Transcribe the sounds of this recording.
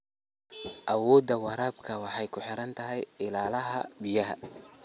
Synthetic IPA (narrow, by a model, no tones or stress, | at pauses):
ʔɐwɔːd̪ɐwɑɾaːbkʰɐwɑħɑjkʰʊħɪɾɐnt̪ʰɐɦɛjɪlaːlɐɦɐ̰bɪjɐɦɐ̰